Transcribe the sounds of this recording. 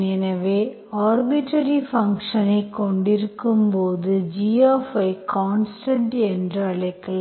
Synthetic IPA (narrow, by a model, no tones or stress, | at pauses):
ninɐʋe | aːrbiʈːɐɾifɐŋkʂɐnekːoɳɖiɾukːɯmpoːðɨd͡ʑiːoːfɐjkʰaːnsʈɐɳɖendrɨɐɭɐkːɐɭ